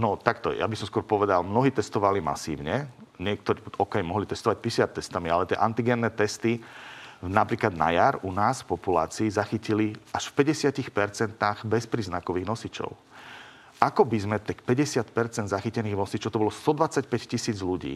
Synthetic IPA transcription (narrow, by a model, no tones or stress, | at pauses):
nɔt̪akt̪ɔ̰ja̰bisɔmskʊɔɾpɔʋɛd̪a̰lmnɔɦiːt̪ɛst̪ɔʋalima̰sḭːʊɲɛɲɪɛk̚t̪ɔɾiːɔkɛjmɔɦlit̪ɛst̪ɔʋac̚pisɪat̪ːɛst̪amialɛt̪ɪɛ̰ʔant̪iɡɛnːɛːt̪ɛst̪i | napɾiːklad̪na̰jaɾunaːsfpɔpula̰ːt͡siːzaxiciliaʃfpɛɟɛsɪacixpɛɾt͡sɛnt̪aɣbɛspɾiːznakɔʋiːɣnɔsit͡ʃɔ̰ʊ | akɔbizmɛt̪ɛkpɛɟɛsɪat̪pɛɾt͡sɛnd̪zaxicɛniːɣnɔsit͡ʃɔʊt̪ɔbɔlɔst̪ɔd̪ʋat͡sacpɛccisiːd͡zluɟḭː